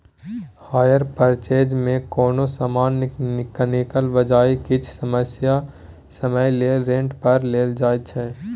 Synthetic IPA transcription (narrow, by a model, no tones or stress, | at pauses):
haːjəɾpəɾt͡ʃeːd͡ʒmẽkɔːnosaːmaːnɪkənɪkəlʋəd͡ʒaːikɪt͡ʃʰsəməsja | səməjleːlɾẽːɳʈpəɾleːld͡ʒaːjt͡ʃʰɛː